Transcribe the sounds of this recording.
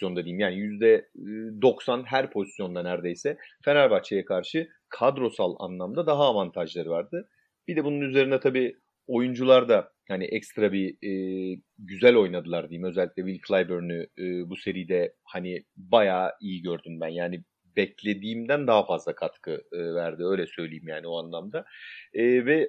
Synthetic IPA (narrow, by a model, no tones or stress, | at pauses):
jo̞nd̪ad̪ijimjaːnijyzd̪ɛːd̪o̞ksanɦæɾpʰo̞zi̥sjo̞nd̪anæɾd̪e̞jsɛfenæɾbat͡ʃʰajakʰaɾʃɯ | kʰad̪ɾo̞salˠa̰nlˠamd̪ad̪aɦaːvant̪ʰaʒlˠaɾɯvaɾd̪ɯ | b̥id̪ɛbununyze̞ɾinɛt̪ʰabiː | o̞jund͡ʒulˠaɾd̪a | haniʔɛcst̪ɾabiː | ɟyzælʲo̞jnad̪ɯlˠaɾd̪ijimø̞zɛlʲːiclʲɛvilʲcʰlˠajbøɾnyːbuse̞ɾijd̪ɛ | hanɪbajaːijiɟø̞ɾd̪ynbænjaːni | bɛclʲe̞d̪iːmd̪ænd̪aɦafazlˠakʰat̪kʰɯɯvæɾd̪ɪø̞jlʲɛsø̞jlʲejimjaːnioanlˠamd̪aː | vɛ